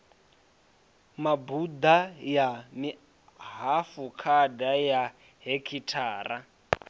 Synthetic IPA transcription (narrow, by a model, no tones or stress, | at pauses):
mabud̪ajami | ɦafukʰadaja | ɦekʰitʰaːra